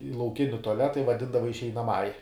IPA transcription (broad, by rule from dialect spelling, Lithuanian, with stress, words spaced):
ɪ lˠɐʊˈkʲɪnʲɪ tʊɐˈlʲæːtɐ ɪ ʋɐˈdʲɪndɐʋɐ ɪʃʲɛɪnɐˈmɑːjɛ